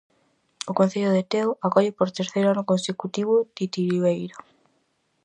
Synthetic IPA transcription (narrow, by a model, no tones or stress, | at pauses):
okon̟θeʎʊðet̪eoʔakɔʎepoɾt̪eɾθejɾanʊkonsekut̪iβ̞ʊt̪it̪iɾiβejɾo